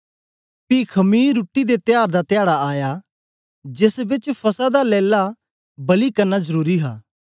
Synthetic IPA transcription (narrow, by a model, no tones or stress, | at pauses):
pikʰɐmiːɾuːʈːid̪et̪ɪjaːɾd̪at̪ɪjaːɽaaːja | d͡ʒɪsbɪt͡ʃpʰɐsad̪alɛːla | bɐlikɐɾnazɐɾuːɾiɦa̰ː